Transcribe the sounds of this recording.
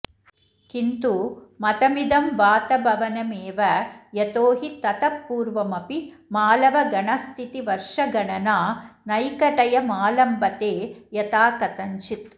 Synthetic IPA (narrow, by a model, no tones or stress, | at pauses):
kint̪umɐt̪ɐmid̪ɐmʋaːt̪ɐbʱɐʋɐnɐmeːʋɐjɐt̪oːɦit̪ɐt̪ɐpːuːɾʋɐmɐpi | maːlɐʋɐɡɐɳɐst̪ʰit̪iʋɐɾʂɐɡɐɳɐnaːnɐjkɐʈɐjɐmaːlɐmbɐt̪eːjɐt̪aːkɐt̪ɐɲt͡ʃit̪